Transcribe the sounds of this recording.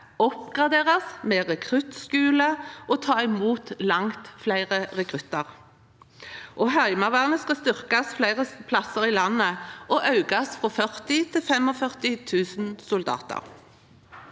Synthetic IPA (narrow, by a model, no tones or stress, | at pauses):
ɔpɡʁɑd̪eːʁɑsmeːʁɛkʰʁʉt̪skʉːləʔoːt̪ʰɑːɪmuːt̪lɑŋt̪flæɪʁəʁɛkʰʁʉt̪ɑʁ | ʔoːɦœɪmɑʋæːʁnəskɑst̪ʏʁkɑsflæɪʁəpʰlɑsəʁiːlɑnːəʔoːʔɑʉɡɑsfʁɔfœʁt̪ɪt̪ʰɪfɛmɔfœʁt̪ɪt̪ʰʉːsnsʊld̪ɑ̰ːt̪ə̰ʁ